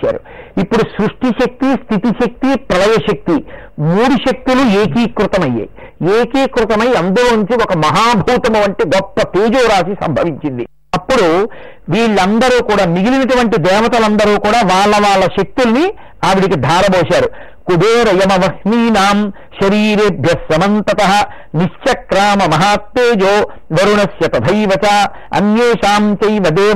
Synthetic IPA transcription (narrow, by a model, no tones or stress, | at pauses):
a̰ːɾu | ipːuɽusɾuʂʈiʃɐk̚t̪ist̪ʰit̪iʃɐk̚t̪ipɾɐlɐjɐʃɐk̚t̪i | muːɽuʃɐk̚t̪ulueːkiːkɾut̪ɐmɐjːa̰ | eːkiːkɾut̪ɐmɐjiɐnd̪ɐloːnuɲt͡ʃiɔkɐmɐɦaːbʱuːt̪ɐmɐʋɐɳʈeːɡɔpːɐt̪eːd͡ʒuːɾaːsisɐ̰mbʱɐʋiɲt͡ʃind̪i | ɐpːuɽu | ʋiːɭːɐnd̪ɐɾuːkuːɽaːmiɡilinɐʈuʋɐɳʈid̪ɛːʋɐt̪ɐlɐnd̪ɐɾuːkuːɽaːʋaːɭːɐʋaːɭːɐʃek̚t̪ulɐni | aːʋiɽikid̪ʱaːɾɐboːʃaːɾu | kub̪ʱeːɾɐjɐmɐʋɐhmiːnaːm | ʃɐɾiːɾeːbʱjɐsɐmɐnt̪ɐt̪ɐɦɐ̆ | niʂt͡ʃɐkɾaːmɐmɐɦaːt̪̚peːd͡ʒoː | ʋɐɾunɐsjɐt̪ɐbʱɐjʋɐt͡ʃaː | ɐ̰njeːʃaːmt͡ʃɐjʋɐd̪eː